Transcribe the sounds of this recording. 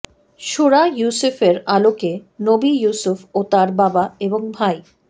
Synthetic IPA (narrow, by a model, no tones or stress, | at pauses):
ʃuɾajusufeɾalokenobijusufot̪aɾbabaeboŋbʱaj